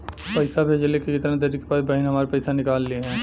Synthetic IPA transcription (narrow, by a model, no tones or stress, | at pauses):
pɐɪsabʱeːd͡ʒlekikɪt̪ɾãt̪ɐɾikepaːibɐɪnɦɐmaːɾepɐɪsanɪkaːlːiɦɛ̃ː